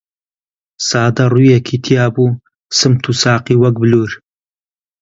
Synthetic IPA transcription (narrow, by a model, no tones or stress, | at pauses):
saːd̪ɐrujɐkʰit̪ʰijaːbuː | sɨmt̪ʰusaːqiːwɐk̚bɨluːɾ